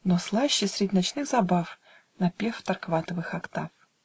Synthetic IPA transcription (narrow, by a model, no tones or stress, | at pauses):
noslˠaɕːɪsʲɾʲɪdʲɪnat͡ɕnɨxzabaf | nɐpʲeft̪ɐrkvat̪əvɨxɐkt̪af